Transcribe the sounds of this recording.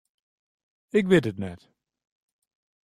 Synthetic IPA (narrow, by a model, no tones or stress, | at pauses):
ɪk̬ʋɪtətnɛt